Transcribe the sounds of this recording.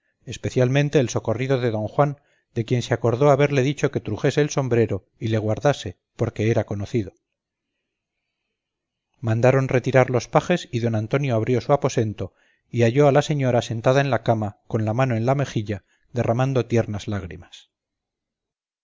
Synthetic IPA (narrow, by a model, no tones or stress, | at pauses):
e̞spe̞θjalmẽnt̪e̞ːlso̞ko̞riðo̞ðe̞ðo̞ŋxwan | d̪e̞kje̞nseako̞ɾðo̞aβe̞ɾle̞ðit͡ʃo̞ke̞t̪ɾuxe̞se̞ːlso̞mbɾe̞ɾo̞ | ile̞ɣ̞waɾðase̞ | po̞ɾke̞eɾako̞no̞θiðo̞ | mãnd̪aɾo̞nre̞t̪iɾaɾlo̞spaxe̞siðo̞nant̪o̞njo̞aβɾjo̞suapo̞se̞nt̪o̞ | iaʝo̞alase̞ɲo̞ɾase̞nt̪aðaenlakamako̞nlamano̞ẽ̞nlame̞xiʎa | ðe̞ramãnd̪o̞t̪je̞ɾnazlaɣɾḭmas